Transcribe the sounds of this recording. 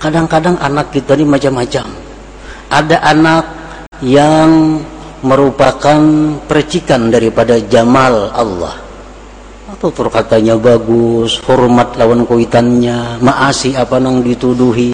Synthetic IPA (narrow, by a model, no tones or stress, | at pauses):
kadaŋkadaŋʔa̰nakːit̪animat͡ʃamːat͡ʃam | ʔadaʔanak̚ | jaŋ | məɾupakanpəɾət͡ʃikandaɾipadad͡ʒamala̰lːɔ̰h | at̪awt̪ərkat̪aɲabaɡʊshɔrmat̪̚lawankoit̪anɲamaʔasiapanaŋdit̪uduɦi